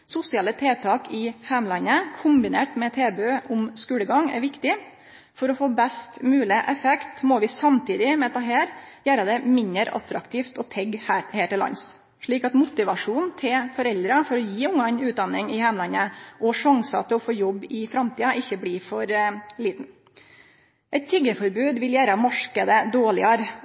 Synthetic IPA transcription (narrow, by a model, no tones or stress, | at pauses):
sʊsɪɑlːət̪ʰeːt̪ʰɑːkɪhɛmlɑnːəkʰʊmbɪneːʈmɛt̪ʰeːbøʊmskʉːləɡɑŋɛ̰ɾʋɪkt̪ɪ | fɔɾɔfoːbɛst̪mʉːlɪʔɛfɛkt̪mɔʋɪsɑmt̪ʰiːd̪ɪmɛt̪ɑɦeːɾjæːɾɑd̪ɛmɪnəɾʔɑ̰t̪ɾɑkt̪ʰiːft̪ɔt̪ʰɛɡːhæːheːʈɪlːɑ̰ns | ʂɭiːkɑt̪mʊt̪ɪʋɑʂuːnt̪ʰɪlfɔɾɛld̪ɾɑfɔɾɔjiːʊŋːɑnʉːt̪̚d̪ɑnːɪŋɪhɛmlɑnːəʔɔʂɑŋsɑt̪ʰɪlɔfoːjɔbːɪfɾɑmt̪ʰiːɑʔɪçːəbliːfɔɾliːt̪n̩ | ʔɛɪt̪ʰːɪɡəfɔɾbʉːd̪ʋɪljæːɾɑmɑʂkəd̪əd̪oːɭɪɑɾ